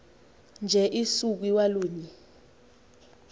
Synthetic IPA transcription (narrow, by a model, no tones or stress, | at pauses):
nd͡ʒʱɛʔisuk̬wiwaluːɲi